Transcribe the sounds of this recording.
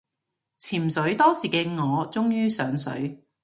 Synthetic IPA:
t͡sʰiː˨˩m̩sɵ˨˥ɥt̪ɔː˥siː˨˩kɛː˧ŋɔː˨˧t͡sʊ˥ŋjyː˥sœː˨˥ŋsɵ̰˨˥ɥ

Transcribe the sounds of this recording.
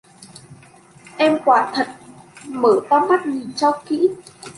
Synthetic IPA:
ʔɛ˧mkwaː˧˩t̪ʰə˨˩t̚məː˧˩t̪ɔː˧ma˦˥t̚ɲi˨˩t͡ɕɔ˧kḭ˧˥

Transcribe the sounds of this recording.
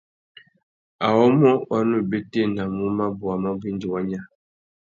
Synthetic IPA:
a˨wɔ˦mɔ˦wa˦nu˦be˦te˦˨na˨mu˦ma˦bu˨a˨mɔ˦bi˦n˦di˨wa˦ɲa˦

